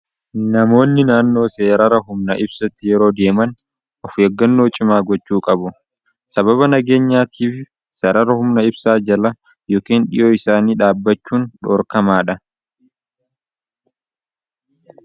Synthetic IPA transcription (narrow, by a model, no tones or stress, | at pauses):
nɐmo̞ːnːɪnaːnːo̞ːse̞ːɾɐɾɐɦʊmnɐʔɪbsɐt̪ːɪjɛɾo̞ːd̪e̞ːmɐn | ʔɔfjɛɡːɐnːo̞ːt͡ʃʼɪmaːɡɔt͡ʃːuːkʼɐbʊ | sɐbɐbɐnɐɡe̞ːɲːaːt̪ʰiːfɪ | sɛɾɐɾɐhʊmnɐɪbsaːd͡ʒɐlɐ | joːkeːnᶑɪ̰jʔoːɪsaːniːᶑaːbːɐt͡ʃːuːnᶑoːɾkɐmaːᶑɐ